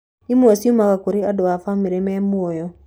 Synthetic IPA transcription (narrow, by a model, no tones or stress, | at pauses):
imuɔsiumakakoɾeadɔafamiɾɛmɛmuojɔ